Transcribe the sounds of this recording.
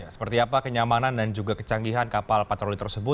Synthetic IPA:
jasə̥pərt̪iapakəɲamanandand͡ʒuɡakət͡ʃaŋɡiɦankapalpat̪ɾolit̪ərsəbʊt̪

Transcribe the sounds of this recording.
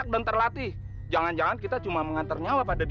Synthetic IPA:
ak̚dant̪ərlat̪i | d͡ʒaŋand͡ʒaŋankit̪at͡ʃumaməŋant̪arɲawapadad

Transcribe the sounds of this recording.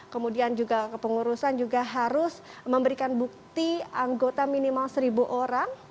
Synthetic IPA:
kəmudiand͡ʒuɡakəpəŋuɾusand͡ʒuɡaɦaɾʊsməmbəɾikanbuk̚t̪iaŋɡot̪aminimalsəɾibuʔoɾaŋ

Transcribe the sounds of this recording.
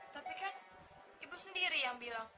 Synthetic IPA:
t̪apikan | ibusəndiɾijaŋbilaŋ

